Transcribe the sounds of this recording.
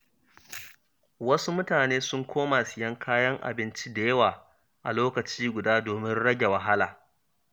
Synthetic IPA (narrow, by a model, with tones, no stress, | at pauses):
wɐ˦su˦mʊ˦taː˨neː˦sʊ˦ŋkʷoː˦ma˨sɪ˨jɐ˦ŋkʰaː˦jɐ˦ŋʔa̰˨bɪ˦nt͡ʃi˦da˨jɐ˦waː˨ | ʔa˨loː˦kɐ˨t͡ʃiː˦ɡʷʊ˨daː˦doː˨mɪ˦nɽɐ˦ɡʲe˨wɐ˨ɦa˦laː˨